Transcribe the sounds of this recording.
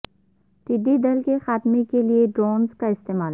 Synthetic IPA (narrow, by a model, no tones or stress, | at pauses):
ʈiːɖid̪ɐlkexaːt̪mekelieɖɾoːnzkaɪst̪eːmaːl